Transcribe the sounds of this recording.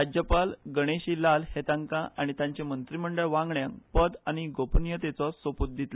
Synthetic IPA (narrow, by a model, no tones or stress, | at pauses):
ad͡ʑjəpalɡəɽ̃eɕiːlalhet̪ãŋkãʔaɽ̃it̪jãɲt͡ɕemənt̪ɾim̤əɳɖəɭʋãŋɡɳjãŋkpəd̪aɽ̃iɡopənjət̪et͡sɔsʋəput̪̚d̪it̪lə